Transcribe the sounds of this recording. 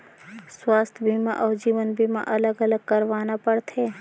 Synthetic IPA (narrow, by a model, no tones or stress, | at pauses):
swaːst̪ʰbʱimã̰ʔɔːɾd͡ʒiːʋənbʱimã̰ʔɐləɡɐləɡ̚kɐɾʋaːnapəɽt̪ʰɦeː